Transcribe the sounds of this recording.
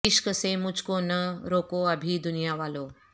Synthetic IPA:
ɪʃkəsemʊd͡ʒʱkonɐɾoːkoɐbʱid̪ʊnijaʋaːloː

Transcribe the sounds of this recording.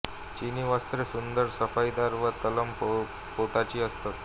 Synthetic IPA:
t͡ɕiniʋast̪ɾesund̪əɾsəfajd̪aɾʋat̪ələmpo | poʈ̪at͡ɕiːəst̪ət̪

